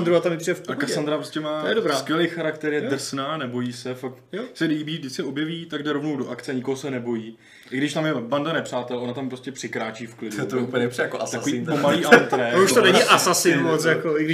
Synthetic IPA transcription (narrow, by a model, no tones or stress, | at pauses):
nd̪ɾuat̪amjɪpridɛfklakasand̪ɾapɾoscɛmaːjɛdobɾaːskjɛlejxaɾakt̪ɛɾjɛd̪r̩snaːnɛbo̞jiːsɛfak̚t̪sɛliːbiːvdɪt͡skɪʔo̞bjɛviːt̪aɡdɛɾo̞vno̞wdo̞ʔakt͡sɛaɲɪkoɦosɛnɛbo̞jiː | ʔɪɡdɪʃt̪amjɛbandanɛpr̝̥aːt̪ɛlo̞nat̪ampɾoscɛpr̥ɪkɾaːt͡ʃiːfklɪdut̪oup̩ɲɛpsijakoʔast̪akovipomaliːʔat̪ɾɛjuʃt̪onɛɲɪʔasasɪmot͡sjakoʔɪɡdɪ